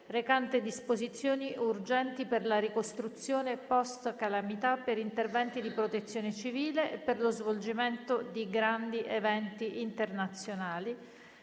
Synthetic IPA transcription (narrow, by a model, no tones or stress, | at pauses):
rekant̪ed̪ispozit̪sːjoːniurd͡ʒɛnt̪iperlaɾikost̪ɾut̪sːjoːnepɔst̪kalamit̪apːeɾint̪ervɛnt̪id̪ipɾot̪et̪sːjoːnet͡ʃiviːleʔːpːerlozvold͡ʒiment̪od̪iɡɾand̪iʔevɛnt̪iʔint̪ernat̪sːjonaːli